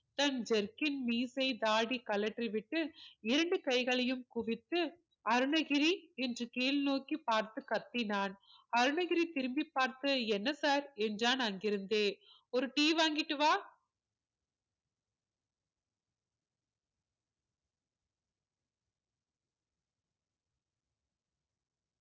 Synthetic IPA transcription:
t̪ɐnd͡ʒɛɾkɪnmiːsɐɪd̪aːɽikɐlɐʈriʋɪʈːɯɪɾɐɳɖɯkɐɪɣɐɭɐjɯmkʊʋɪt̪ːɯ | ɐɾɯɳɐɣɪɾiɛndrɯkeːlnoːkːipːaːɾt̪ɯkːɐt̪ːinaːn | ɐɾɯɳɐɣɪɾit̪ɪɾɯmbipːaːɾt̪ɯɛnːɐsaːɾɛndraːnɐŋɡɪɾɯnd̪eː | ɔɾɯʈiːʋaːŋɡɪʈːɯʋaː

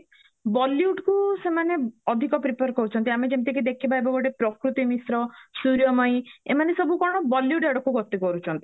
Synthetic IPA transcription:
bɔljuʈkusemaneɔd̪ʱikɔpɾipɔɾkɔɾut͡ʃʰɔnt̪iamid͡ʒemt̪ekid̪ekʰibʱajbɔɡɔʈepɾɔkɾut̪imisɾɔsuɾijɔmɔj̃ḛmanesɔbukɔɽ̃ɔbɔljuʈeɽɔkuɡɔt̪ikɔɾut͡ʃʰɔnt̪i̥

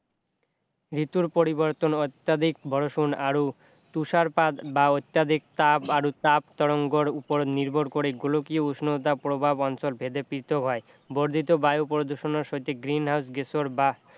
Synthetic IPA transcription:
ɾit̪uɾpoɾiboɾt̪onot̪ːad̪ikbʱɔɽoʃunaɾo | t̪uʃaɾpad̪baot̪ːjad̪ʱik̚t̪abaɾot̪apt̪ɔɽoŋɡoɾupoɾoniɾbʱoɾkoɾeɡolokiousnot̪apɾobʱabɔnt͡ɕolbʱed̪epiɾt̪ʰokɦɔe | boɾd̪ʱit̪obajopɾod̪oʃonoɾʃojt̪ʰeɡɾinɦawsɡesoɾba

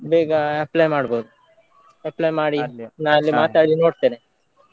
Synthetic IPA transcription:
beːɡaeplaːjmaːɽboːd̪u | eplaːjmaːɽinaːɐlːimaːt̪aːɽilinoːʈ̚t̪ene

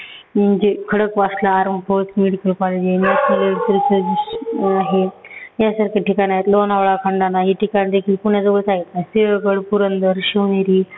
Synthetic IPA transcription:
ind͡ʑekʰəɽəkʋaslaːɾmpʰot͡smeɽikəlkɔled͡ʑinasməleɽsiɾt͡səsaɦejasaɾkʰeʈikaniaɦet̪lonaʋɭakʰəɳɖanaɦiʈikanid̪ekʰiːlkuɳjad͡zəbəɭsaɡit̪naɦeseʋəɡəɭpuɾənd̪əɾɕiʋneɾiː

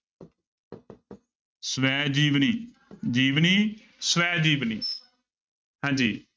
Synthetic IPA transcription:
səʋɛːd͡ʒiːʋniː | d͡ʒiːʋniː | səʋɛːd͡ʒiːʋniː | hãːɲd͡ʒiː

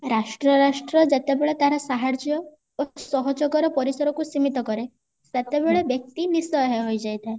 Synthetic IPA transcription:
ɾasʈɾɔɾasʈɾɔd͡ʒet̪ebeɭet̪aɦɾɔsaɦaɾd͡ʒjɔ | osɔɦɔd͡ʒɔkɔɾɔpɔɾisɔɾɔkusimit̪ɔkɔɾe | set̪ebeɭebjɔk̚t̪inisɔɦeɦojd͡ʒajt̪ʰae

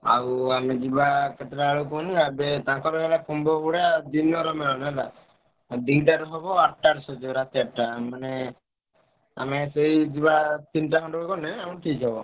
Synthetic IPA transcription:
a̰wamed͡ʒibaket̪ɾaɭukɔniabet̪ãkɔɾɔɛlakumbɔbuɽad̪inɔɾɔmɛlɔnɛla | d̪iŋʈaɾɦɔbɔaʈʈaɾsɔd͡ʒɔɾat̪iaʈʈamane | a̰meseid͡ʒibat̪inʈaɦɔ̃ɳɖɔbekɔnɛaũʈʰikɦɔbɔ

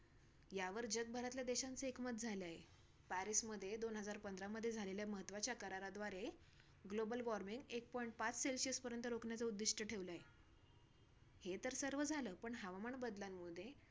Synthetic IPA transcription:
jaʋəɾd͡ʑəɡ̪̚bʱəɾat̪ljad̪eɕant͡səekmət̪̚d͡zʱaleaɦe | pæɾisməd̪ʱːjed̪onɦəd͡zaɾpənd̪ɾaməd̪ʱjed͡zʱaleljaməɦət̪ʋat͡ɕjakəɾaɾad̪ʋaɾe | ɡlobəlʋɔɾmiŋɡek̚pɔiɳʈ̚pat͡sselɕispəɾjənt̪əɾokɳjat͡səud̪ːiʂʈəʈʰeʋləaɦe | het̪əɾsəɾʋəd͡zʱaləpəɳɦaʋaməɳbəd̪lamːud̪ʱe

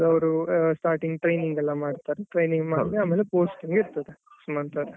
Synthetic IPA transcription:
ɐʋɐɾusʈaːɾʈiŋɡʈɾɐjniŋɡɛlːamaːɽt̪aːɾɛʈɾɐjniŋɡmaːʋiaːmeːlepoːsʈiŋɡɪɾt̪ɐðɛ | smaːɽt̪aːɾɛ

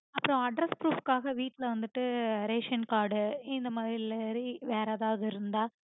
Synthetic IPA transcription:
ɐpːɯɾõɐɖɾɐspɾuːfkaːɣɐʋiːʈːɪlɐʋɐnd̪ɯʈːɯɾeːʂɐnkaːɾɖɯɪnd̪ɐmaːðɾilɛɾiʋeːɾaːðaːʋɐðɯɪɾɯnd̪aː

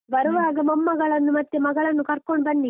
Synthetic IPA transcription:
bɐɾuʋaːɡɐmɐmːɐɡɐɭɐnːumɐt̪ːemɐɡɐɭɐnːukɐɾkoɳbɐnːi

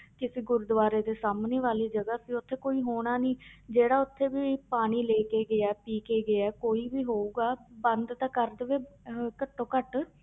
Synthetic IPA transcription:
kɪseːɡʊɾd̪ʋaːɾeːd̪eːsaːmneːʋaːliːd͡ʒəɡaːsiːʊt̪ʰːeːkoːiːɦoːɽ̃aːniːd͡ʒeːɽaːʊt̪ʰːeːbiːpaːɽ̃iːleːkeːɡɪaːpiːkeːɡɪɛːkoːiːʋiːɦoːuːɡaːbə̃nd̪t̪ãːkəɾd̪əʋeːkəʈ̪ːõːkəʈ

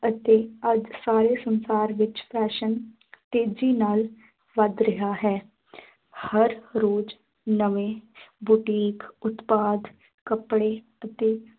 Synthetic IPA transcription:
ət̪eːəd͡ʒsaːɾeːsənsaːɾʋɪt͡ʃpʰɛːʃən | t̪eːd͡ʒiːnaːl | ʋəd̪ɾəɦaːɦɛː | həɾɾoːd͡ʒ | nəʋẽːbʊʈiːkʊt̪paːd̪ | kəpɽeː | ət̪eː

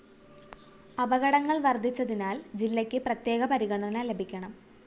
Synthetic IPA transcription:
ɐbɐɣɐɽɐŋːɐɭʋɐrd̪ʱit͡ɕːɐðinaːld͡ʑilːɐkʲːɨprɐt̪ːje̞ːɣɐpɐɾiɣɐɳɐnɐle̞bʱikʲːɐɳɐm

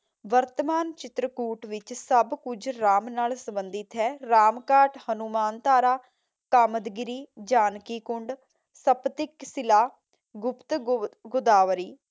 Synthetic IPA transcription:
ʋəɾt̪əmaːnt͡ʃɪt̪ɾəkuːʈʋɪt͡ʃsəbkʊd͡ʒɾaːmnaːlsəbənd̪ɪt̪ɦɛːɾaːmkaːʈhənumaːnt̪aːɾaː | kaːməd̪ɡɪɾiːd͡ʒaːnkiːkʊɳɖ | səpt̪ɪksɪlaː | ɡʊpt̪ɡʊd̪aːʋɾiː

